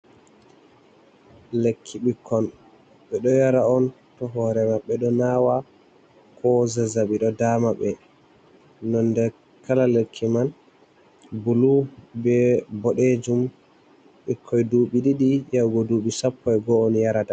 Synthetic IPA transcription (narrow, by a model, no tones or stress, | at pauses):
lekʰːiɓikʰːɔn | ɓɛɗɔjaɾaɔn | tɔɦɔɾɛmaɓːɛɗɔnaːwa | kɔzɛzaɓiɗɔdamaɓɛ | nɔndɛɾ | kalalekʰːiman | bulubɛbɔɗed͡ʒum | ɓikʰːɔjduːɓiɗiɗijawɡɔduɓisapːɔɛɡɔːnjaɾata